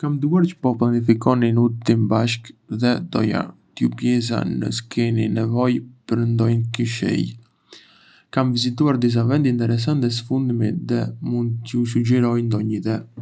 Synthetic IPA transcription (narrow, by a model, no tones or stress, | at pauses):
kamd̪uaɾt͡ʃə̥pɔplˠanifikɔninut̪t̪imbaʃkðɛd̪ɔ̰ja̰t̪jupjɛs̬a̰nə̰skʰɛninɛvɔjpəɾnd̪ɔjnkiʃɛ̰j | kamvizit̪uaɾd̪is̬avɛnd̪int̪ɛɾɛs̬ant̪ɛs̬əfund̪miðɛmund̪t͡ʃəuʃ̬ud͡ʒɛɾɔjnd̪ɔɲit̪ɛ